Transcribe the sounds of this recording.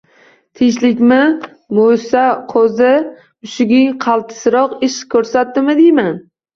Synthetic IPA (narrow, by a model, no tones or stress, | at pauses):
t̪ʰɪŋʃlɪkʲmɪ | mojsaqʰozɪ | ʊʃɪɡʲɪŋqʰɑlˠt̪ʰɪ̥sɾɒqɪʃkʰːɵɾsat̪̚d̪ɪmɪd̪ejman